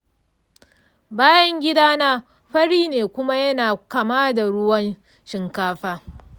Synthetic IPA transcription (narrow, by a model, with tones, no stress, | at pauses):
baː˦jɐ˦ŋɡʲɪ˦daː˦naː˦ | ɸɐ˦ɽiː˦neː˨kʷʊ˦ma˦jɐ˦naː˨ka˨maː˦da˨ɽʊ˦wɐ˦n | ʃɪ˨ŋkaː˦ɸaː˦